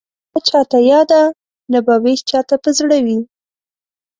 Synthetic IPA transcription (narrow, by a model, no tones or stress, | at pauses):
at͡ʃɑt̪ajɑd̪a | nabɑwest͡ʃɑt̪apəzɽawi